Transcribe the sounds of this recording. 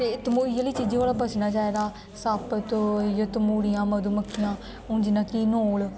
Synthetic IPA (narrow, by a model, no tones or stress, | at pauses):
t̪eːt̪əmuːijəliːt͡ʃiːd͡ʒĩːʋaːlaːbəsnaːt͡ʃaːeːd̪aː | saːpət̪jot̪əmuːɽijãːməd̪uːməkʰːɪjãː | ʊ̃ːnd͡ʒinãːkiːnoːl